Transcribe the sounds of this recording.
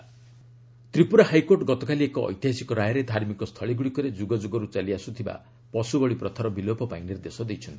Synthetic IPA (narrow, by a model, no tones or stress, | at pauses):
t̪ɾipuɾahajkoɾʈɡɔt̪ɔkaliekɔɔ̰jt̪jaɦasikɔɾajɔɾed̪ʱaɾmikɔst̪ʰɔɭiɡuɽikɔɾed͡ʒuɡɔd͡ʒuɡɔɾut͡ʃaliasut̪ʰiba̰ | pɔsubɔɭipɾɔt̪ʰɔɾɔbilopɔpainiɾd̪esɔd̪ejt͡ʃʰɔnt̪i̥